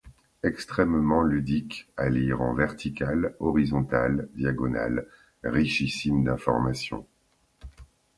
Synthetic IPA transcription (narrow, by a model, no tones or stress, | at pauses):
ɛkst̪χɛmmɑ̃lyd̪ikaliʁɑ̰̃vɛʁt̪ʰikalɔʁizɔ̃t̪ald̪jaɡɔna̰l | ʁiʃisimd̪ɛ̃fɔ̰ʁmasjɔ̰̃